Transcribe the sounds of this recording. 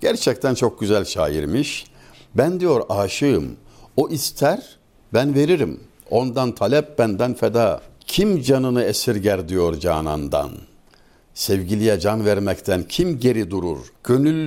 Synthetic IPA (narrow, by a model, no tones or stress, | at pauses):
ɟ̥æɾt͡ʃʰɛct̪ʰænt͡ʃʰok̚ɟyzælʲʃa̰ːjḭɾmiʃ | bænd̪ijo̞ɾaːʃɯɯmoʔist̪ʰæɾ | bænve̞ɾiɾim | o̞nd̪ant̪ʰalʲɛp̚bænd̪ænfɛd̪aːcʰimd͡ʒanɯnɯesiɾɟæɾd̪ijo̞ɾd͡ʒaːna̰nd̪a̰n | sɛvɟilʲijɛd͡ʒanvæɾmɛct̪ʰæncʰimɟe̞ɾid̪uɾuɾɟ̥ønylʲ